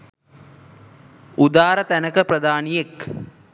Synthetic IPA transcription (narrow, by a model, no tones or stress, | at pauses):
ud̪aːɾət̪ænəkəprɐd̪aːnijek